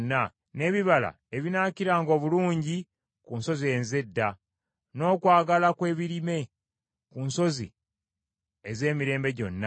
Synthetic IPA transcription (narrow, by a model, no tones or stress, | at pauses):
nːa | ne̞ːβiβala̰ | eβinaːciɾaːŋɡo̞ːβuluːɲɟi | kunso̞zie̞ːnze̞dːa | no̞ːkwaːɡalakwe̞ːβiɾime̞ | kunso̞zḭ | eze̞ːmiɾe̞ːmbe̞ɟo̞̰nːa